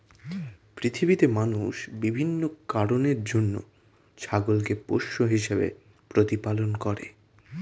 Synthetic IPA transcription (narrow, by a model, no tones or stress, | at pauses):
pɾit̪ʰibit̪emanuʃbibʱinːokaɾoneɾd͡ʑonːo̰ | t͡ɕʰaɡolkepo̰ʃːoɦiʃebḛ | pɾot̪ipalonkɔɾḛ